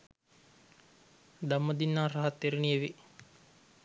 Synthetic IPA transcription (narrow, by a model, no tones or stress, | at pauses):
d̪amːəd̪inːaːraɦat̪ːeɾinieʋi